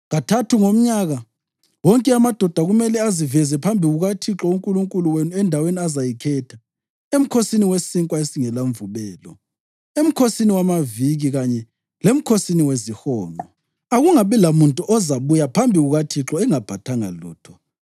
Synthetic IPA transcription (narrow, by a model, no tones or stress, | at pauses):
ŋatʰatʰuŋom̩ɲaɣa | wɔŋkʼɛamad̥ʱɔd̥ʱaɣumɛlɛazivɛzɛpʰambʱiɣuɣatʰiǁɔuŋkʼuluŋkʼuluwenuɛndʱaweniazajikʰɛtʰa | em̩kʰosiniwesiŋkʼwaesiŋɛlaɱvuβɛːlɔ | em̩kʰosiniwamaviɣiɣaɲɛ | lem̩kʰosiniwezixɔːnɔ | aɣuŋaβilamuntʼuʔɔzaβujapʰambʱiɣuɣatʰiǁɔɛŋab̥ʱatʰaŋa̰lṵːtʰɔ̥